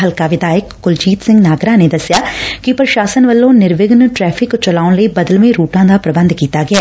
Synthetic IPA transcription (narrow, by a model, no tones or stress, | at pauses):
ɦəlkaːʋɪd̪aːjɪkːʊld͡ʒiːt̪sɪ̃ŋɡnaːɡɾãːneːd̪əsɪjaːkɪpɾəʃaːsənʋəlːõːnɪɾʋɪɡnʈɾɛːpʰɪkt͡ʃəlaːʊnləiːbəd̪əlʋẽːɾuːʈãːd̪aːpɾəbə̃nd̪kiːt̪aːɡɪɛː